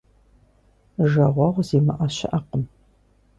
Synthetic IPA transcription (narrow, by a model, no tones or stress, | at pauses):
ʒɐʁʷɐʁʷzeːmɨʔɐɕɪ̰ʔɐqəm